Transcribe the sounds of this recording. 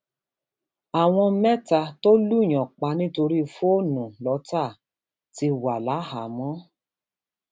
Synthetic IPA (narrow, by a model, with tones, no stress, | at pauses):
a˨w̃ɔ̃˧˦mɛ̃˦ta˧to˦lu˦˨j̃ɔ̃˨k͡pa˧˦nĩ˦to˧ɾi˦˧fo˦˨nũ˨lɔ˨˧˦ta˦˨ | ti˧wa˨la˨˦ha˨˦mɔ̃˦